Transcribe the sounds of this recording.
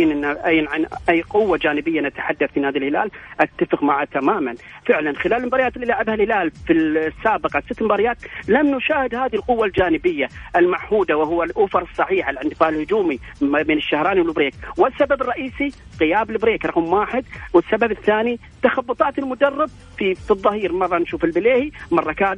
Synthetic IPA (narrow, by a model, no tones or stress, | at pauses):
nʔɪnːaʔajːnʕanʔajːqʊwːad͡ʒaːnɪbɪjːanat̪ḁħad̪ːaθmɪnhaːðalhɪla̰ːlʔat̪ːafɪqmaʕat̪amaːman | fɪʕlanxɪlaːlmbɑɾˤjaːt̪ɪlːilaːʕɪbhalhɪlaːlfisːaːbɪqɑsɪt̪ːmɪmbaːɾɪjaːt̪lamnʊʃaːhɪd̪haːðilqʊwːald͡ʒaːnɪbɪjːaʔɪlmaʕhuːd̪awɪɦʊwːalʔʊfɑɾˤɨsˤːɑħiːħalʕɪnt̪ɪfaːʕɪlhʊd͡ʒuːmibeːnɪʃːahɾˤɑːniwɪlbɾeːkwɪsːababɪrˤːɑʔiːsiqɪjaːbɪlbɾeːkɾˤɑqmwaːħɪd̪̚wɪsːababɪθːaːni | t̪axɑbːʊt̪ˤɑːt̪ɪlmʊd̪ɑrˤːɪb̚ | fifiðˤːɑhiːɾmɑrˤːɑnʃuːfɪlbɪleːhimɑrˤːɑkaː